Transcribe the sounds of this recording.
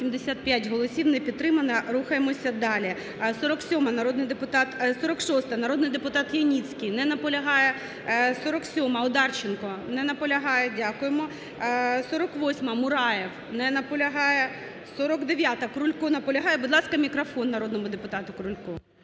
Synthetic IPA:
sʲimd̪esʲat̪̚pʲjatʲɦɔlˠɔsʲiwnɛpʲid̪̚t̪ːɾɪmɐnɐɾuxɐjemɔsʲɐd̪ɑlʲi | sɔɾɔksʲɔmɐnɐɾɔd̪nɪjd̪epʊt̪ɑt̪sɔɾɔkʃɔst̪ɐnɐɾod̪nɪjd̪epʊt̪ɑt̪jɐnʲit͡sʲkɪjnɛnɐpɔlʲɐɦɑjɛ | sɔɾɔksʲɔmɐɔd̪ɑrt͡ʃenkɔnɛnɐpɔlʲɐɦɑjɛdʲakʊjemɔ | sɔɾɔkʋɔsʲmɐmʊɾɑjew | nɛnɐpɔlʲɐɦɑjɛ | sɔɾɔkd̪eʋʲjat̪ɐkɾʊlʲkɔnɐpɔlʲɐɦɑjɛbʊd̪lˠɑskɐmʲikɾɐfɔnːɐɾɔd̪nɔmʊd̪epʊt̪ɑt̪ʊkɾʊlʲkɔ

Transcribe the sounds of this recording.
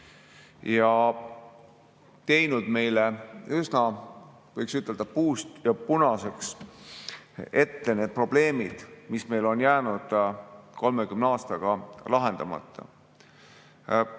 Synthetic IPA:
jɑ | t̪e̞jnud̪̥me̞jleysnɑ | vɤjksyt̪ːˑe̞ld̪̥ɑpuːst̪jɑpunɑse̞ks | e̞t̪ːene̞ːd̪̚pro̞b̥le̞ːmid̪̥misme̞jlo̞njæːnud̪̥ko̞lmekymnɑːst̪ɑɡ̥ɑlɑɦe̞nd̪̥ɑmɑ̰t̪ˑːɑ̰

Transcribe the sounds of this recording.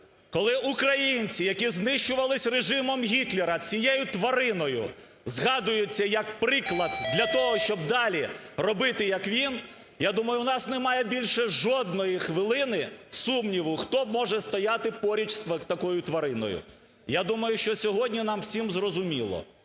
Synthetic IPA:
kɔlˠɪʔukɾɐjinʲt͡sʲijɐkʲiznɪʃt͡ʃʊʋɐlˠɪsʲreʒɪmɔmɦʲit̪lʲeɾɐt͡sʲijɛjʊt̪ʋɐɾɪnɔjʊ̰ | zɦɑd̪ʊjʊt͡sʲːɐjɐk̚pɾɪklˠɐd̪̚d̪lʲɐt̪ɔɦɔʃt͡ʃɔb̚d̪ɑlʲirɔbɪt̪ɪjɐkʋʲin | jad̪umɐjʊnɑsnɛmɑjɛbʲilʲʃɛʒɔd̪̚nɔjixʋɪlˠɪnɪsumnʲiʋʊxt̪ɔmɔʒɛst̪ɔjat̪ɪpɔɾʲit͡ʃsɐt̪ɐkɔjʊt̪ʋɐɾɪnɔ̰jʊ̰ | jad̪umɐjʊʃt͡ʃɔsʲɔɦɔdʲnʲinɑmwsʲimzrɔzʊmʲilˠɔ̰

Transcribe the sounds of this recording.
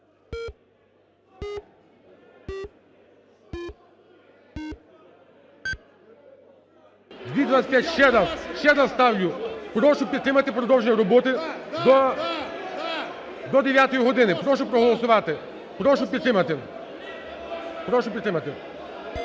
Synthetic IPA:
d̪ʲʋʲid̪ʋat̪sʲɐ̥s̚ʲpʲjatʲʃɛd̪azʃt͡ʃɛd̪azst̪ɑwlʲʊpɾɔʃʊpʲid̪t̪ɾɪmɐt̪ɪpɾɔd̪ɔwʒeɲʲːɐɾɔbɔt̪ɪ | d̪ɔd̪eʋʲjat̪ɔjiɦɔd̪ɪnɪpɾɔʃʊpɾɔɦɔlˠɔsʊʋɑt̪ɪ | pɾɔʃʊpʲid̪t̪ɾɪmɐt̪ɪ | pɾɔʃʊpʲd̪ɾɪmɐt̪ɪ

